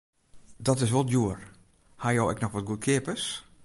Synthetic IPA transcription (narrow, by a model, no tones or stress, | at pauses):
dɔtɪsʋolˠjuər | hajowɛ̰knɔxʋɔt̚ɡutkʰɪəpəs